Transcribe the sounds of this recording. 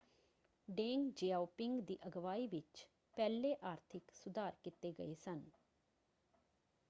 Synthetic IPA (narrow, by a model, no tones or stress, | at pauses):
ɖeːŋɡd͡ʒeːaːupɪŋɡd̪iːʔəɡʋaːiːʋɪt͡ʃ | pɛːlːeːʔaːɾt̪ʰɪksʊd̪aːɾkɪt̪eːɡəeːsən